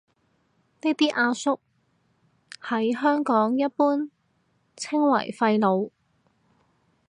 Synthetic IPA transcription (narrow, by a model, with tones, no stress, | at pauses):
neː˥t̪iː˥ʔaː˧sʊ˥k̚ | hɐ˨˥jɦœː˥ŋkɔː˨˥ŋjɐ˥t̚puː˥n | t͡sʰɪ˥ŋwɐ̰˨˩jfɐ˧jlo˨˧w